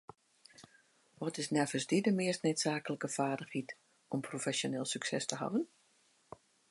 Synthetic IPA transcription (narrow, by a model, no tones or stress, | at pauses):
ʋɔtɪsnɛvəsdidəmɪəstnetsaːkələkəfaːdəxit | ɔmprofɛsjonɪːlˠsyksɛstəɦa̰vən